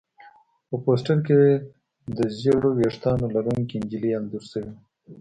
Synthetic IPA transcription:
pəposʈaɾkee | d̪əzeɽoweʂt̪ɑnolaɾuŋkind͡ʒiliand̪uɾsəwi

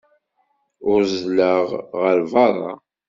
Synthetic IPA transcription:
ʊɾzləʁʁəɾvɑɾˤɑ̰

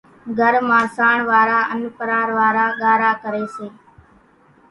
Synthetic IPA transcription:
ɡʱəɾmãːsaːɳʋaːɾaːʔənpəɾaːɾʋaːɾaːɠaːɾaːkəɾeːseː

